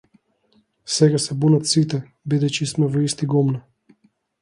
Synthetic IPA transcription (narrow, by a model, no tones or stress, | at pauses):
sɛɡasɛbunat̪sit̪ɛ | bid̪ɛt͡ʃismɛvɔist̪iɡɔmna